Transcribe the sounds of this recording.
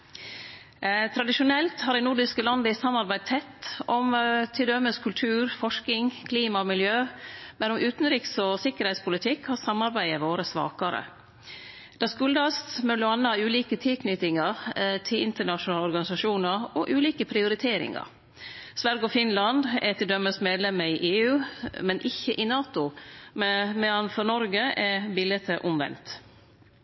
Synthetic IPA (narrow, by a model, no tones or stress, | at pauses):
t̪ʰɾɑd̪ɪʃʊnɛlt̪hɑɾɖɛɪnʊɖɪskəlɑnd̪əɪsɑmːɑɾbæɪd̪̚t̪ʰɛt̪ːɔmt̪ʰɪld̪œməskʰʉlt̪ʰʉːɾfɔʂkɪŋkʰliːmɑmɪljøːmɛnɔmʔʉːt̪n̩ɾɪksɔsɪkːəɾhɛɪt̪spʰʊlɪt̪ʰɪkːhɑsɑmːɑɾbæɪəʋoːɾəsʋɑ̰ːkɑɾə̰ | d̪ɛskʉld̪ɑst̪mʉlʊɑnːəhɑːʉːliːkət̪ʰɪlkʰnʏt̪ɪŋɑɾt̪ʰɪlʔɪnt̪əɳɑʃʊnɑːlɔɾɡɑnɪsɑʃuːnəɾɔʔʉːliːkəpʰɾɪʊɾɪt̪ʰeːɾɪ̰ŋɑ̰ɾ | sʋæɾɡɔfɪnlɑnd̪ɛ̰t̪ʰɪd̪œmːəsmeːd̪lɛmːəiːʔeːʉːmɛnʔɪçəʔɪnɑːt̪ʊmɛmɛɑnfɔɾnɔɾɡəʔɛbɪlət̪ʰəʔʊmʋɛ̰nt̪